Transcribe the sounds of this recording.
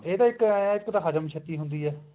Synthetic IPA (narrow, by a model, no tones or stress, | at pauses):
eːd̪aːɪkːaːjaːɪkːd̪aːɦad͡ʒəmt͡ʃʰət̪ːiːɦʊnd̪iːɛː